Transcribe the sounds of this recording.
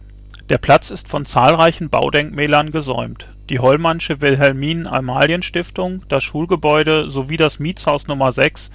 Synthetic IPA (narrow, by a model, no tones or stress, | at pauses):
d̥eːɐpʰl̥at͡sɪstfɔnt͡saːlʁaɪçn̩ba̰ʊdɛŋkmɛːlɐnɡəzɔ̰ʏmt | d̥iːɦɔlmanʃəvɪlɦɛlmiːnʔa̰maːljənʃtɪftʊŋd̥asʃuːlɡəbɔʏɾəzoviːdasmiːt͡shaʊsnʊmɐzɛks